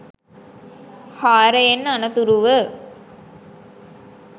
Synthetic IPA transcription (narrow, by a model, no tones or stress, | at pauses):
haːɾəjenːanɐt̪uɾuʋə